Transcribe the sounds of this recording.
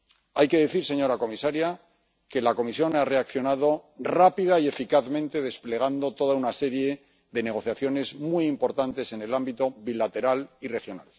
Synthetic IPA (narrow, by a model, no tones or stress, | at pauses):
ajke̞ðe̞θiɾse̞ɲo̞ɾako̞misaɾja | ke̞lako̞misjo̞nare̞akθjo̞naðo̞rapiðaie̞fikaθmẽ̞nt̪e̞ð̞e̞sple̞ɣ̞and̪o̞t̪o̞ðaunase̞ɾje̞ | ðe̞ne̞ɣ̞o̞θjaθjo̞ne̞zmuijimpo̞ɾt̪ant̪e̞se̞ne̞lambit̪o̞βilat̪e̞ɾalire̞xjo̞na̰l